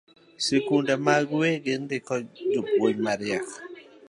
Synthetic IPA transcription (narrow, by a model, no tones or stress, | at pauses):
sekundamaɡweɡɪndɪkɔd͡ʒopwoɲmaɾɪak